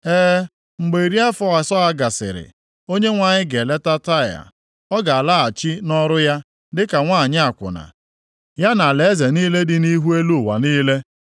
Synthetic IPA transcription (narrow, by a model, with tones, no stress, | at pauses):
eː˦ | ŋ͡m̩˨ɡ͡be˨i˨ɾi˦a˦fɔ˦a˨sɔ˦a˦ɡa˨sɪ̰˨ɾɪ̰˨ | o˦ɲe˦ŋʷa˨ɲɪ˦ɡe˨le˦ta˦ta˦˨ja̰˨ | ɔ˦ɡa˨a˨la˦a˨t͡ʃi˦nɔ˦ɾʊ˦ja˦ | dɪ˦ka˨ŋʷaː˦˨ɲɪ˦a˨kʷʊ̰˨na̰˨ | ja˦na˨le˨˦ze˨niː˦le˦dɪ˦ni˦ɦu˦e˦lu˦˨wa̰˨niː˦le˦